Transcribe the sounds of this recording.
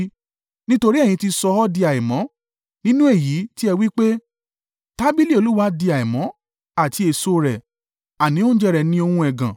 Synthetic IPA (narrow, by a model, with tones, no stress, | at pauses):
nĩ˦to˧ɾi˦ɛ̃˦˨ĩ˧ti˧sɔ˧ɔ˦di˧a˨i˨mɔ̃˨˦ | nĩ˦nũ˦e˦˨ji˨˦ti˦ɛ˧wi˦k͡pe˦ | ta˦bi˦li˦o˧˨lu˦wa˦di˧a˨i˨mɔ̃˨˦ | a˦˨ti˨˦e˨so˦˧ɾɛ˨ | a˨nĩ˨˦o˦d͡ʒɛ˦˧ɾɛ˧nĩ˧˦o˧hũ˧˦ɛ˨ɡã˨